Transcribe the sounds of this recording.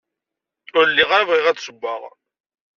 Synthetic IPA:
ʊɾlːiʁaɾvʁiʁæt͡ssəbʷːaʁ

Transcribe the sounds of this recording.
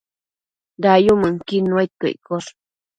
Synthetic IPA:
dajuməŋkinuajt̪ə̰jkos

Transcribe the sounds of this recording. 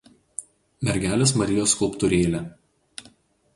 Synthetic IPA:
mʲɛɾʲɡʲæːlʲeːs̬mɐɾʲɪjoːskʊlˠpt̪ʊɾʲeːlʲe

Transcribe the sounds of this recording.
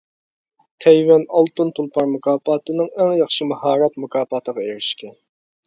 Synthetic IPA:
t̪ʰɛjwɛnɑlˠt̪unt̪ʰulˠpʰɑɾmukʰɑːpɑːt̪ɨnɨŋæŋjɑχʃɨmɑhɑːɾɑt̪mukʰɑːpɑt̪əʁɑeɾɪʃkʲɛ

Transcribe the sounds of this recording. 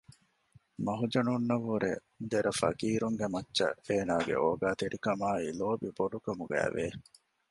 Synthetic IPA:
mɐɦud͡ʒɐnunːɐʋːuɾḛ | d̪eɾɐfɐ̰kiːɾuŋɡemɐtːʃɐ̰eːnaːɡḛʔoːɡaːt̪eɾikɐmaːiloːbiboɖukɐmuɡæ̰ːʋeː

